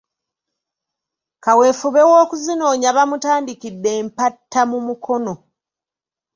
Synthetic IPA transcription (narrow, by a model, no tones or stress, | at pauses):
kawe̞ːfuβe̞woːkuzino̞ːɲaβamutaːndikidːe̞ːmpatʰːamumukʰo̞no̞